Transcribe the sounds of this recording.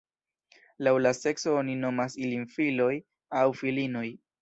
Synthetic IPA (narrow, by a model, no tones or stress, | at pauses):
lawlase̞kso̞onino̞masilinfilo̞j | awfilino̞j